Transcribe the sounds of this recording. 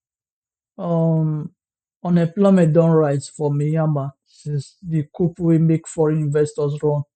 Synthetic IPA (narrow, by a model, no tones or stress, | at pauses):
ɔm | ɔ̃nɛ̃plɔmɛt̚dɔ̃nɹaɪzfɔmijãma | sisdikupwimekfɔɹĩnvɛstɔs̬ɹɔ̃n